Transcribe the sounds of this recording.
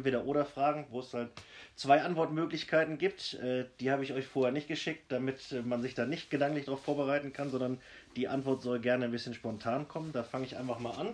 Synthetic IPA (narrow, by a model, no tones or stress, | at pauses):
ntv̥eːɾɐʔoːɾɐfʁ̥aːɡŋ̩voːɛshaltt͡sv̥aɪʔantv̥ɔɐtmøːklɪçkʰaɪtn̩ɡiːp̚tʔɛːd̥iːhaːbəɪçɔʏçfoːɐhɛːɐnɪçtɡ̥əʃɪk̚td̥amɪtɛmanzɪçd̥aːnɪçt̚ɡ̥ədaŋlɪçd̥ʁaʊfoːɐbəʁaɪtn̩kʰanzɔndɐn | d̥iːʔa̰ntv̥ɔɐtz̥ɔlɡɛɐnənbɪsçənʃpɔntʰaːnkʰɔməndaːfaŋəɪçʔa̰ɪnfaχmaːlʔan